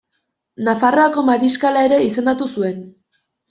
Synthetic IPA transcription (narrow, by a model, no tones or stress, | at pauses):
nafaro̞ako̞maɾiskalae̞ɾe̞ise̞nd̪at̪usue̞n